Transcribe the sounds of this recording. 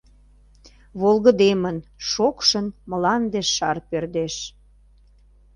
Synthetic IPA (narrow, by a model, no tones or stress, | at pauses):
βolɣə̆d̪emənʃokʃənmə̆lɑnd̪eʃːɑrpørd̪eʃ